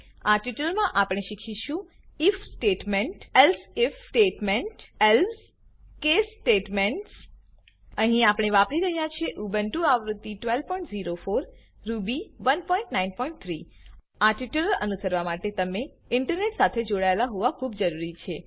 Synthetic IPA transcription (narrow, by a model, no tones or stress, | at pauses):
aʈiʈəlmãʔapəɽ̃eʃikʰiʃũ | ifsʈeʈmeɳʈelsefsʈeʈmeɳʈels | kesʈeʈmeɳʈs | əɦĩapəɽ̃eʋapɾiɾəɦjat͡ʃʰeʔubənʈuaʋɾut̪ːiʈʋelpɔ̃ĩɳʈziɾofoɾː | ubiʋənpɔĩɳʈnainpɔ̃iɳʈ̚t̪ʰɾi | aʈiʈələnusəɾʋamaʈet̪əme | ɪɳʈəɾneʈsat̪ʰed͡ʒoɽaelaɦoʋakʰubd͡ʒəɾuɾit͡ʃʰe